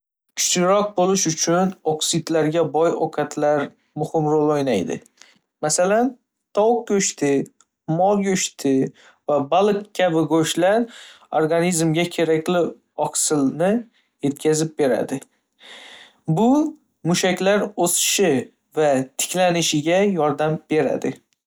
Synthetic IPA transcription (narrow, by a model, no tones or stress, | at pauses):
kʲʰʊ̥t͡ʃnɪɾɒq̚bolɪʃʊt͡ʃʰʊnoksid̪laɾɡʲabɒjokʰat̪ʰlaɾ | mʊhɪmɾolˠojnajd̪ɪ̰ | masalan | t̪ʰɒwk̚kʲɵʃt̪ʰɪ | mɒlˠɡɵʃt̪ʰɪ | vabalˠɨkkʲʰːabɪɡoʃlaɾ | oɾɡanizmɡʲakʲʰe̞ɾakʲlɪ | ɒqsɪlnɪ | je̞t̪̚kʲʰazɪp̚be̞ɾa̰d̪ɪ | bʊ | mʊʃakʲlaɾosɪ̥ʃɪ | vat̪ʰɪ̥kʲlanɪʃɪɡʲajɒɾd̪amb̥e̞ɾa̰d̪ɪ